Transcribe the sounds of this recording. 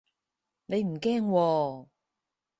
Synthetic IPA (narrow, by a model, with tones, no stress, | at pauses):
ne˨˧jm̩˨˩kɛː˥ŋwɔː˧